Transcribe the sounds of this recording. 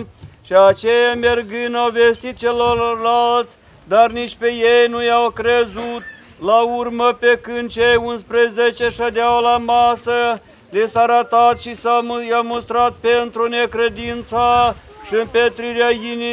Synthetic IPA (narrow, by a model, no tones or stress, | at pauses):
ʃiat͡ʃejamerɡɨnawvest̪it̪̚t͡ʃelorlalt̪sʲ | d̪arniʃt̪pejejnujawkɾezut̪ | laurməpekɨnd̪̚t͡ʃejunspɾezet͡ʃeʃad̪eawlamasə | lisaɾat̪at̪ʃisajamost̪ɾat̪̚pent̪ɾunekɾed̪int̪sa | ʃiɨnpet̪ɾiɾeajini